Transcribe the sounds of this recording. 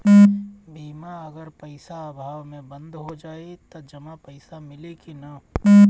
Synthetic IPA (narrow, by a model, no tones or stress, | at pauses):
biːmaɐɡəɾpəɪsaːbʱaːʋmẽbə̃nd̪ʱɦod͡ʒaːet̪od͡ʒɐmapəɪsamɪlekina